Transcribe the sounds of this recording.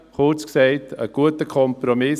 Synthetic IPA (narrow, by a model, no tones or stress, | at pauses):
χʊɾt͡sksɛɪtə̰ɡ̥uətəkʰɔmpɾomɪ